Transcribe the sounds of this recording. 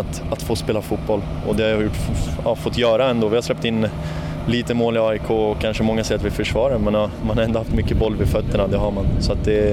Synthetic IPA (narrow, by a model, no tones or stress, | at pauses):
t̪at̪foːspeːlafut̪̚bɔlː | ɔd̪ɛhajajʊʈːɑfɔt̪ːjœːɾaɛnd̪oːvɪhaɾslɛp̚ːt̪ɪnː | liːt̪əmoːlɪɑːɪkʰoːɔkʰːanʂəmɔŋːasɛɪat̪vɪfœʂvɑːɾaɾmɛnɑmanhaɾɛnd̪ʊhaft̪mʏkːəbɔlːvɪfœt̪ːəɳad̪ɛɦaɾmansɔat̪̚d̪ɛ